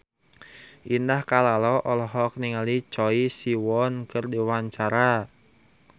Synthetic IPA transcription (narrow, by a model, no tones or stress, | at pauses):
ʔindahkalalɔʔɔlɔɦɔk̚niŋalit͡ʃɔisiwɔnkərdiwaɲt͡ʃaɾa